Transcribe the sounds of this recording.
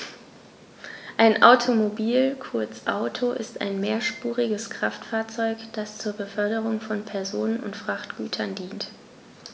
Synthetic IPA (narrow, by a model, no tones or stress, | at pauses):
ʔaɪnʔaʊtʰomobiːlkʰʊɐt͡sʔa̰ʊtʰoʔɪ̰sta̰ɪnmeːɐʃpuːʁɪɡəskʁ̥aftfaːɐt͡sɔʏkd̥ast͡suːɐbəfœɐdəʁ̞ʊŋfɔnpʰɛɐzoːnənʊ̰ntfʁ̥aχtɡ̥yːtʰɐndiːnt